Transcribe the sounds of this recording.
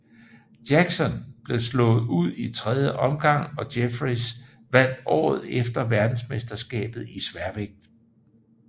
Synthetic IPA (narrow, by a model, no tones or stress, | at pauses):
djæɡ̥sɒ̽nb̥le̝slɔ̰̽ːð̩ˠuð̞̰ˠit͡sʰʁɛðˠjəʔɒ̽mɡ̥ɑ̈ŋ̰ɒ̽d̥efʁis | ʋæn̰d̥ɒ̰ːð̞̩ˠefd̥ɐʋæɐd̥n̩sme̝sd̥ɐsɡ̥ɛ̰ːb̥ð̞̩ˠisʋæɐʋeɡ̥̚d̥